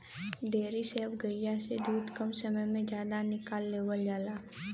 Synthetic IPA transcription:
ɖeːɾisebɡəijased̪uːd̪kəmsəməjmẽd͡ʒjaːd̪anɪkaːlːeːwəljaːlaː

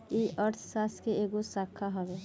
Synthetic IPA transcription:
iʔəɾt̪ʰsaskeeɡosakʰːaɦɔbe

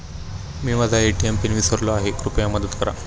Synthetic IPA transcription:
miːməd̪ʱaeʈiempinʋisəɾlɔaɦekɾupjaməd̪ət̪kəɾa̰

